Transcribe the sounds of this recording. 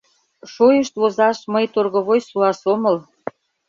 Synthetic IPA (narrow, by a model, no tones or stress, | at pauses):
ʃojəʃt̪βozɑʃməjt̪orɣə̆βojsuɑsoməl